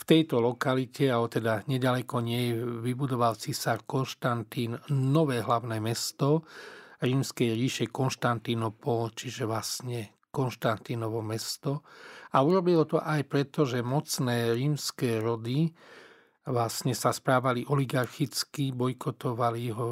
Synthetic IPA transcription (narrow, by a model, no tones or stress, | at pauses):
ft̪ɛjt̪ɔlɔkalicɛaɛt̪ɛd̪aɲɛɟalɛkɔɲɪɛjɛʋibud̪ɔʋalt͡sisaɾkɔnʃt̪ant̪iːnːɔʋɛːɦlaʊnɛːmɛst̪ɔɾiːmskɛjɾiːʃɛkɔnʃt̪ant̪inɔpɔlt͡ʃiʒɛʋlasɲɛ | kɔnʃt̪ant̪inɔʋɔmɛst̪ɔauɾɔbilɔt̪ɔʔajpɾɛt̪ɔʒɛmɔt͡snɛːɾiːmskɛːɾɔd̪i | ʋlasɲɛsaspɾaːʋaliʔɔliɡaɾxit͡skibɔjkɔt̪ɔʋaliɦɔ